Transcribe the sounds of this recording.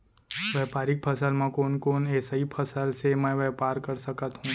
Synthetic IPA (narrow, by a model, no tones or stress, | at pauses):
ʋɛpaɾik̚pʰəsalmãkonkonɛsaipʰəsalʃemə̃ʋɛpaɾkəɾʃəkat̪ɦũ